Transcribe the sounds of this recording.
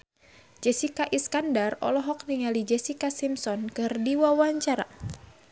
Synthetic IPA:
d͡ʒɛsikaʔiskandarɔ̰lɔɦɔk̚niŋalid͡ʒɛsikasimsɔnkɨrdiwawaɲt͡ʃaɾa̰

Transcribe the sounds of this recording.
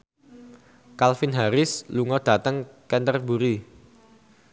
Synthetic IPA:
kalfɪnɦaɾɪsluŋɔd̥a̤t̪əŋkɛnt̪ərbuɾi

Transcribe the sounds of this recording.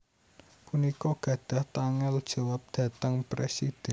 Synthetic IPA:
punikɔɡ̥ä̤d̪̥a̤ht̪aŋɛld̥ʒ̥a̤wap̚d̪̥ä̤t̪əŋpɾesid̪̥ɛ

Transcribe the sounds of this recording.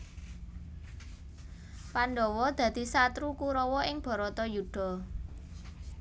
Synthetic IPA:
panɖɔwɔd̪̥ä̤d̪̥i̤sat̪ɾukuɾɔwɔɪŋb̥ɔ̤ɾɔt̪ɔjuɖ̥ɔ̤

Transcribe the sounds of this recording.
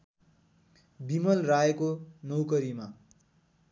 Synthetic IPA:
bimʌlraekonʌwkʌɾima

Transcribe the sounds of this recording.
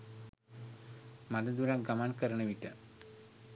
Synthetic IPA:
mad̪əd̪uɾakɡamankəɾɳəʋiʈə

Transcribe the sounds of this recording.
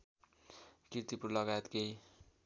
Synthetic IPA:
kiɾt̪ipuɾlʌɡajet̪ɡej

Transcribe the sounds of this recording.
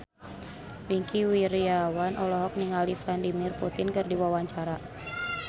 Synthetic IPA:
wiŋkiwiɾiawanʔɔlɔɦɔk̚niŋaliflandimɪrput̪ɪnkɨrdiwawaɲt͡ʃaɾa

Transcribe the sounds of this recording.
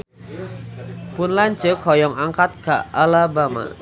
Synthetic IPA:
pʊnlaɲd͡ʒəkʰɔjɔŋaŋkat̪̚kaʔalabama̰

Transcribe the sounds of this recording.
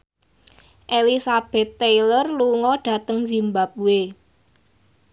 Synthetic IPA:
ʔelisab̥ɛ̤t̪ːejlərluŋɔɖ̥ä̤t̪əŋzi̤mbap̚uwe

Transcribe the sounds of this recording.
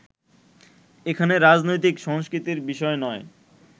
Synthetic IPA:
ekʰaneɾad͡ʑnojt̪ikʃɔŋskɾit̪iɾbiʃɔenɔe

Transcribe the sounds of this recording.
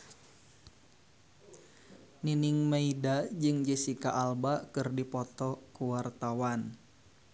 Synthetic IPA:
niniŋmeidad͡ʒɨŋd͡ʒəsika̰ʔalbakɨrdipɔt̪ɔkuwart̪awan

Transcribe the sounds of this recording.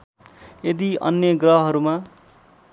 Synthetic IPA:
jed̪iʌ̰njʌɡrʌɦɦʌɾuma

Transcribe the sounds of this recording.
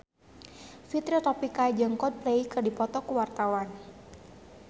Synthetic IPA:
fit̪ɾiot̪ɔpikad͡ʒəŋkɔt̪̚pleikərdipɔt̪ɔkuwart̪awan

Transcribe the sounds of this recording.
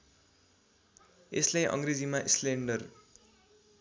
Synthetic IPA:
eslajʔʌ̰ŋred͡zimaʔisleɳɖʌr

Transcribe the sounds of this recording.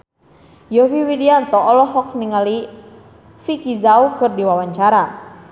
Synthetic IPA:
jɔfiwidiant̪ɔːlɔɦɔkniŋali | fikizaukɨrdiwawaɲt͡ʃaɾa

